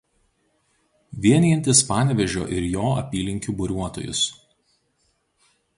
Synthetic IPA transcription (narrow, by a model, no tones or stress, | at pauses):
ʋʲiɛnʲiɛnʲt̪ʲɪspɑːnʲʋʲɛʒʲo̰ːʔɪɾjoːɐ̰pʲiːlʲɪŋʲkʲuːbʊɾʲuɔt̪o̰ːjʊ̰s